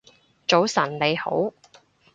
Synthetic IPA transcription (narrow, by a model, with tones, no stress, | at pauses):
t͡ʃo˨˥wsɐ˨˩nle˨˧jho̰˨˥w